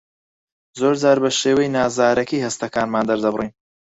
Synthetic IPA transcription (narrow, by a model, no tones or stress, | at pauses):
zoːɾd͡zaːɾbɐʃeːwɛjnaːzaːɾɐkiːhɐst̪ɐkaːnmaːnd̪ɐɾd̪ɐbɨriːn